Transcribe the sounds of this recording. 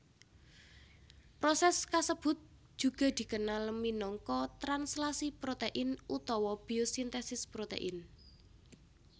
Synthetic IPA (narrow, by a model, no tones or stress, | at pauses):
pɾosɛskasəb̥ʊ̤t̪̚ | ʒ̥ṳɡ̥ɔ̤d̪̥i̤kənalminɔŋkɔt̪ɾanslasipɾot̪eʔɪnut̪ɔwɔb̥iosint̪ɛsɪspɾot̪ḛʔɪn